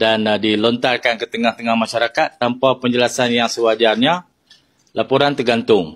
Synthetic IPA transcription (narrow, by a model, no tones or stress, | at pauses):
dandilɔnt̪arkankət̪əŋaht̪əŋahmãʃaɾakat̪ːampapəɲd͡ʒəlasanjaŋsəwad͡ʒarɲa | lapoɾant̪ərɡant̪ʊŋ